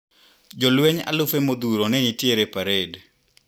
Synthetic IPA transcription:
d͡ʒɔlweɲa̰lʊfemod̪uɾonɛnitjeɾepaɾed

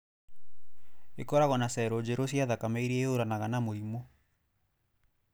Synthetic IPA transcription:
ekɔɾaɣɔnasɛɾod͡ʒeɾosiaðakamɛiɾieoɾanaɣanamoɾimo

